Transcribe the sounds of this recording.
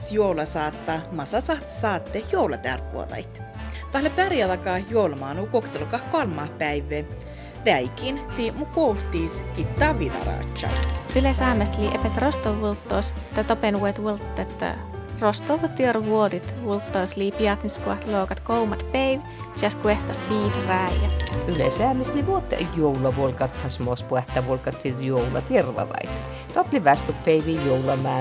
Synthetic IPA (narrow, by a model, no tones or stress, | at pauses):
sjoulɑsɑːt̪ːɑmɑsɑsɑht̪sɑːt̪ːehjowlɑt̪æ̰rʋṵo̰d̪ɑ̰jt̪ | t̪ɑhlepæɾjɑðɑkɑːhjowlmɑːnuːkokt̪elukɑhkoɑlmɑːhpæjʋːe | ʋæjkint̪imukoht̪iskit̪ːɑːʋilɑ̰ɾɑ̰ːt͡ʃːɑ̰pilesæːmest̪liʔepet̪rost̪oʋːult̪ːos | t̪ɑt̪openwet̪wult̪ːet̪ | rost̪oʋt̪irʋuod̪it̪ʋult̪ːoːsliːpiɑt̪niskuɑ̰ht̪loːkɑt̪kowmɑt̪pejʋ | t͡ʃɑskueht̪ɑst̪ʋiːt̪ræjæt̪ylḛsæːmesliʋuot̪ːjowlɑʋolkɑt̪hɑsmospuɛht̪æʋolkɑt̪ʰːijoulɑ̰t̪irʋɑ̰lɑ̰jt̪ː | t̪ot̪liʋæst̪uppeiʋijoulɑmæː